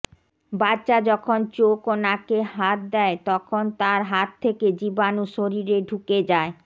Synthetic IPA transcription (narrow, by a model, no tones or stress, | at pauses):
badɕad͡ʑɔkʰont͡ɕokonakeɦat̪̚d̪ɛet̪ɔkʰont̪aɾɦat̪ʰːeked͡ʑibanuʃoɾiɾeɖʱuked͡ʑae